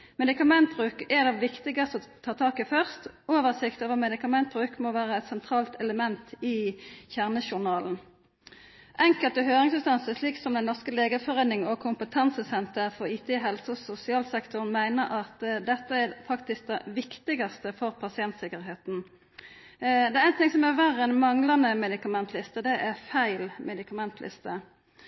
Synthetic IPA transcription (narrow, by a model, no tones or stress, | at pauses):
mɛd̪ɪkɑmɛnt̪̚bʁʉːkɛʁd̪ɛʋɪkt̪ɪɡɑst̪əɔt̪ʰɑːt̪ʰɑːkəfœʁst̪oːʋəʁsɪkt̪oːʋəʁmɛd̪ɪkɑmɛnt̪̚bʁʉːkmoʋæːʁəɛt̪sɛnt̪ʰʁɑːlt̪ɛləmɛnt̪ɪçæʁnəʃʊʁnɑːln̩ | ʔɛŋkəlt̪əɦøːʁɪŋsʉst̪ɑnsəʂliːksɔmd̪ɛnɔʁskəleːɡəfɔʁeːnɪŋɔkʰʊmpət̪ʰɑnsəsɛnt̪əʁfɔʁiːt̪ʰeːɦɛlsəsʊsɪɑːlsɛkt̪ʊʁnmæɪnəɾʔɑt̪d̪ɛt̪ːəæfɑkt̪ɪsk̚d̪ɛʋɪkt̪ɪɡɑst̪əfɔʁpʰɑsɪɛnt̪sɪkəʁɦeːt̪n̩ | d̪ɛæʁæɪnt̪ʰɪŋsɔmæʋæʁɛnmɑŋlɑnəmɛd̪ɪkɑmɛnt̪ʰlɪst̪əd̪ɛʔæʁfæɪlmʔɛd̪ɪkʰɑmɛnt̪ʰlʔɪ̰st̪ə